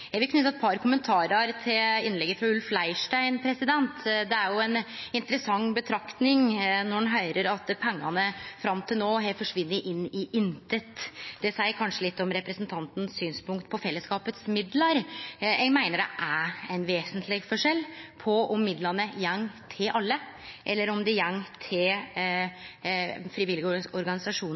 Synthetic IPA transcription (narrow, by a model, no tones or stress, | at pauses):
jɛɡʋɪlkʰnʉt̪ɑɛt̪̚pʰɑɾkʰʊmənt̪ʰɑːɾəɾt̪ʰɪlɪnlɛɡəfɾɑʉlflæɪʂʈæɪnpʰɾɛsɪd̪ɛnt̪d̪ɛæɾjʊɛnɪnt̪əɾəsɑŋːbət̪ʰɾɑkt̪nɪŋnɔnɦœʏɾəɾɑt̪pʰɛŋːɑnəfɾɑmt̪ʰɪlnoːɦeːlt̪fɔʂʋɪnːəʔɪnːɪʔɪnt̪ʰət̪d̪ɛsæɪəkʰɑnʂəlɪt̪ːɔmɾɛpɾəsnt̪ʰɑnt̪n̩ssyːnspʊŋkt̪̚pʰɔfɛlːəskɑːpət̪smɪd̪lɑɾɛmæɪnəɖɛ̰ʔææɪnʋeːsənt̪lɪfɔʂɛlːpʰɔɔmːɪd̪lɑnəjɛŋːt̪ʰɪlʔɑlːə | ʔɛlːəɾɔmd̪ɛjæŋːt̪ʰɪl | fɾiʋɪlɪɡɔɾɡɑnɪsɑʂuːn